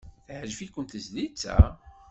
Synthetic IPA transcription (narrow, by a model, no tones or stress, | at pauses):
θʕʒfikʷːənt̪əzlit͡sːæ̰